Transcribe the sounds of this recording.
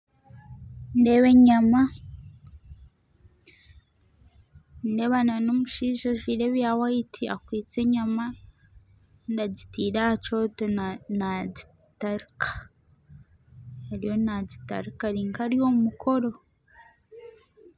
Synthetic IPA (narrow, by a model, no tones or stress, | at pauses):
ndeweɲama | nde̞βananomuʃiːʒaʒwiːɾe̞βjawaitʰia̰kwiːt͡se̞ɲama | ndaɟitiːɾaat͡ʃo̞tonaɟi | taɾikʰḁ | eɾijo̞naɟita̰ɾikaɾiːŋkaɾijo̞mumukʰo̞ɾo̞